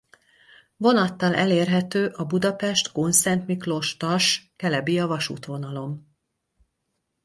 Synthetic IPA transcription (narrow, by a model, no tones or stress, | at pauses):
vonɒt̪ːɒlʔɛleːrɦɛt̪øːʔɒbud̪ɒpɛʃt̪konsɛnt̪miklo̞ʃt̪ɒʃkɛlɛbijɒvɒʃṵːt̪ʋo̞nɒlo̞m